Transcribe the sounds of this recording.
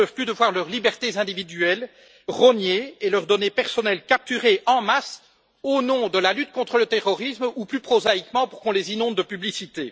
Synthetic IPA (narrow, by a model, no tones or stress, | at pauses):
œvplyd̪əvwaʁlœʁlibɛʁt̪ezɛ̃d̪ivid̪yɛl | ʁɔnjeelœʁd̪ɔnepɛʁsɔnɛlkap̚t̪yʁeʔɑ̃mas | onɔ̃d̪əlalyt̪kɔ̃t̪χələt̪eʁɔʁismuplypχozaikmɑ̃puʁkɔ̃lezinɔ̃d̪̚ːəpyblisit̪ḛ